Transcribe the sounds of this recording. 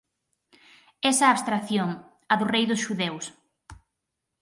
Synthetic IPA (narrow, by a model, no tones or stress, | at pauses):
ɛsɐːβst̪ɾaθjoŋ | ɐðʊrejðʊsʃuðews